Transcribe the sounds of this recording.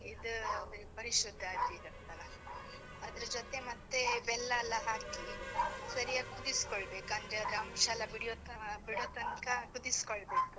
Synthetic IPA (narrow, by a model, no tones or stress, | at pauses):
id̪upɐɾiʃɾɐd̪ʱːaːɡ̪iɾɐɾt̪ɐɾɐ | ɐd̪ɐɾɐd͡ʒot̪e̞mɐt̪ːe̞ʋɛlːɐːlːɐɦaːkisɐɾijaːɡkud̪iskoɭbe̞ːkuɐnd̪ɾeɐd̪ɾɐɐmʃɐlɐbiɽijoːt̪biɽoːt̪ɐnkɐkud̪iskoɭbe̞ːku